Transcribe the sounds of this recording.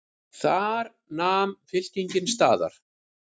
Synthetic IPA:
θaɾ | naːmfɪl̥ciɲcɪnst̪aːða̰ɾ̥

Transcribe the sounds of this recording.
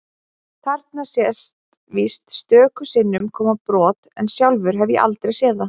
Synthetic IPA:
t̪ʰaɾ̥t̪nasjɛst̪ | vist̪st̪œːkʏsɪnːʏmkʰɔːmapɾɔːt̪ɛnsjawlvʏɾ̥ɦɛvjɛ̰ʔa̰lt̪ɾejsjɛːða

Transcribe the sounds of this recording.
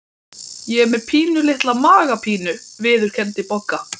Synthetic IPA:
jɛɛɾmɛðpʰiːnʏlɪht̪lamaːɣapʰiːnʏvɪːðʏɾ̥cʰɛnt̪ɪpɔkːa

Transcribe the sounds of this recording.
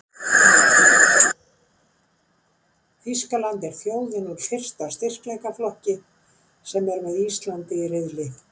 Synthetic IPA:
fiskalant̪ɛɾ̥fjoːwðɪnuɾfɪr̥st̪ast̪ɪr̥klejkaflɔhcɪ | sɛmɛɾvɛðist̪lant̪ɪrɪðlɪ

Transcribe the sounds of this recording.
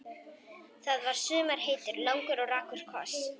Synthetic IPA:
θaðvaɾ̥sʏːmaɾ̥heːjt̪ʏɾlawŋkʏɾɔɣɾaːkʰʏɾ̥kʰvɔ̰s

